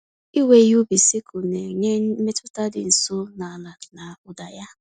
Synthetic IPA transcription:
i˦we˨ju˦bi˨si˦kʊ˨ne˨ɲe˦me˦tʊ˦ta˦dɪ˨n̩˨sʊ˦na˨la˨na˨ʊ˨da˨ja˦

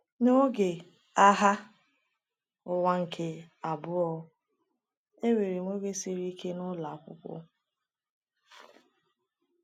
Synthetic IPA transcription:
no˦ɡe˨ | a˦ɦa˦ | ʊ˨wa˦ŋ̩˨kʰe˦a˨bʊ˦ɔ˦ | e˦we˨ɾi˨ŋʷo˦ɡe˦si˦ɾi˦kʰe˦nʊ˦la˨kʷʊ̰˦kʷʊ̰˦

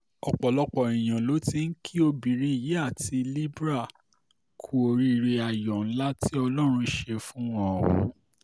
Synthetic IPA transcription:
ɔ˨k͡pɔ˨lɔ˦k͡pɔ˨ĩ˨j̃ã˨lo˨˦ti˧n̩˦kʰi˦o˧bi˨ɾi˨˦i˦˨ji˨˦a˦˨ti˧li˦bɾa˦˨ | kʰu˦o˧ɾi˦˧ɾe˧a˨jɔ˨n̩˦la˦tʰi˦ɔ˧lɔ˦ɾ̃ũ˧ʃe˧fũ˦wɔ̃˦ɔ˨wɔ̰̃˨˦

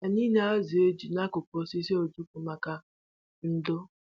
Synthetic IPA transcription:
a˨ni˦ne˦a˦zi˨e˦d͡ʒi˨na˦kʊ˨pɔ˨si˦si˦o˨d͡ʒu˦ku˨ma˨ka˦ | n̩˦dʊ˦

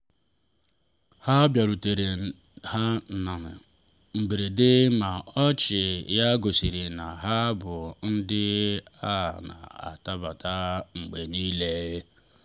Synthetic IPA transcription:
ha˦bja˨ɾu˨te˨ɾe˨ | ha˦˨na˨nɪ˨ | ŋ͡m̩˨ɡ͡be˨ɾe˨dɪ˦ma˨ɔ˦t͡ʃɪ˨ja˦ɡo˨si˨ɾi˨na˨ɦa˦bʊ˨n̩˦dɪ˦a˦˨na̰˨a̰˨ta˦ba˨ta˦ŋ͡m̩˨ɡ͡be˨ni˦le˦je˦

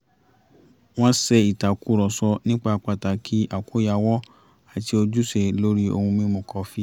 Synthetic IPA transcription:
w̃ɔ̃˦sɛ˧i˨ta˨ku˨˦ɾɔ˨sɔ˧nĩ˦k͡pa˦˧k͡pa˧˨ta˨kʰi˨˦ʔa˨ku˨˦ja˧wɔ˦ | a˨ti˧o˧d͡ʒu˦se˦˨lo˦ɾi˦o̰˧hũ˧mĩ˦mõ˧˨kɔ˧fi˦

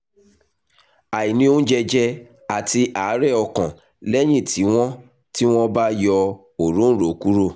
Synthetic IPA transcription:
a˨i˨nĩ˧õ˦d͡ʒɛ˧d͡ʒɛ˧ | a˨ti˧ʔa˨˦ɾɛ˦˨ɔ˧kã˨ | lɛ˦j̃ĩ˦˨tʰi˨˦w̃ɔ̃˦ | ti˦w̃ɔ̃˦ba˦jɔ˧ | o˨ɾũ˦ɾo˨ku˦ɾo˦˨

